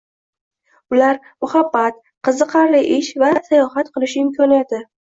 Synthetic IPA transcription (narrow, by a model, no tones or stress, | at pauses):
ʊlaɾ | mʊhabːat̪̚ | qʰɨzɨqʰɑɾlɪʔɪʃvasajɒhat̪qɨlˠɪʃɪmkʰʲɒnijat̪ʰɪ